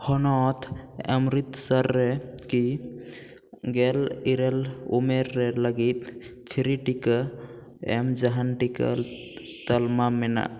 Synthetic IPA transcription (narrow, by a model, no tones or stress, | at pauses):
hɔnɔt̪ʰa̰mɾit̪səɾːɛki | ɡɛliɾelumeɾːɛləɡit̪̚ | pʰiɾiʈikə | ɛ̰md͡ʒaɦanʈikə̰ | t̪əlmamɛna̰